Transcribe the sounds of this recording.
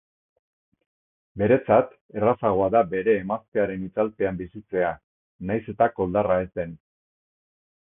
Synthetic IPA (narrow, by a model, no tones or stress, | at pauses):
be̞ɾe̞t͡sat̪ | e̞rasaɣ̞o̞aðabe̞ɾe̞ːmaske̞aɾe̞nit͡salp̪e̞ambisit͡se̞a | najse̞t̪ako̞ld̪arae̞zt̪e̞n